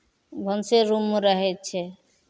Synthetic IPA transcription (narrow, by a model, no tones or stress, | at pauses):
bʱənseɾumɾəɦɛt̚t͡ʃʰɛ